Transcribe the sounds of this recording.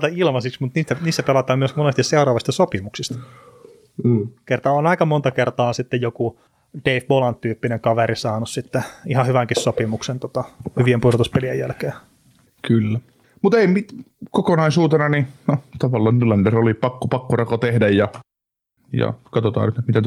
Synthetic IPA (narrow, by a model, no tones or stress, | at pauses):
t̪ɑilmɑsiksmut̪niːst̪æniːst̪æpelɑt̪ɑːmmyøsmonest̪isseurɑːʋɑst̪ɑsopimuksist̪ɑ̥ | kert̪ɑonɑikɑmont̪ɑkert̪ɑːsit̪ːejjoku | d̥eifbolɑnt̪yːpːineŋkɑʋeɾisɑːnussit̪ːeihɑhyʋæŋkissopimuksent̪ot̪ɑhyʋiempuirot̪uspeliḛjjælkeː | kylːæ | mut̪eimit̪kokonɑisuːt̪enɑninot̪ɑʋɑlːɑːnnylɑnderolipɑkːopɑkːorɑkot̪ehdæjjɑ | jɑ̰kɑt̪ot̪ɑ̰ːnyt̪et̪mit̪æ